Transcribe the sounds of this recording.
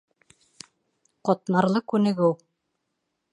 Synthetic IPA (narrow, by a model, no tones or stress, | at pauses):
qŏt̪nɑɾlˠɤkʉnɘ̆ɡɘw